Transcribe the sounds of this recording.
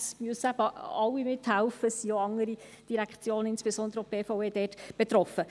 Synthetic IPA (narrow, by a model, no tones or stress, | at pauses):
smyəsæb̥əɑwːimɪt̪hælfəsioɑŋəɾid̥iɾækχt͡sjoːnəɪnsb̥esɔndəɾəɔp̚b̥eːfɑweːd̥ɛːtb̥et̪ɾɔfə